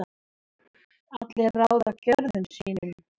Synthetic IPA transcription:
a | at̪lɛrawðacœɾðʏnsiːnɪ

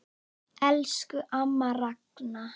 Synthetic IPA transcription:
ɛlskʏʔamːarakna

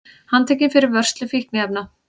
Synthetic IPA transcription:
hant̪ʰɛːcɪnfɪɾɪɾvœr̥st̪lʏfihknɪɛp̚na

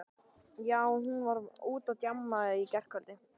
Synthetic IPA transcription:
jaːwɔɦunvaɾuːt̪awt̪jamːaðʏicɛr̥kʰœlt̪nɪ

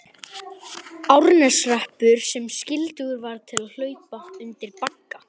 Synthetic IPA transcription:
awɾnɛsrɛhpʏɾ̥sɛmscɪlt̪ʏɣʏɾvaɾt̪ʰɪlaðl̥œːɥpaʏnt̪ɪɾpakːa

